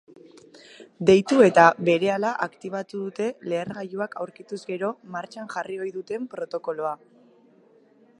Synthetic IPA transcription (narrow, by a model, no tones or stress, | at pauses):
d̪e̞jt̪ue̞t̪aβe̞ɾe̞alaʔakt̪iβ̞at̪uðut̪e̞le̞ːɾɣajuakawɾkit̪uzɡe̞ɾo̞maɾt͡ʃaŋʝario̞jðut̪e̞mpɾo̞t̪o̞ko̞lo̞a